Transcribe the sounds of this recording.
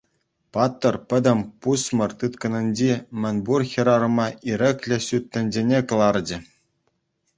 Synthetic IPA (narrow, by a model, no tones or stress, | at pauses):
pɑt̪ːɤ̆rpʲɘ̆d̪ʲɘ̆mʲpusmɤ̆rt̪ɯt̪kɤ̆nʲɘ̆nʲd͡ʑimʲɘ̆nʲburxʲĭɾɑɾɤ̆mɑiɾʲɘ̆klʲɘ̆ɕyt̪ʲːɘ̆nʲd͡ʑenʲekɤ̆lˠɑrd͡ʑɘ̆